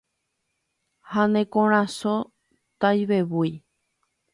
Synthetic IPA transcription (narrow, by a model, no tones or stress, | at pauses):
hanẽkõɾ̃ãso | t̪ajβeβuj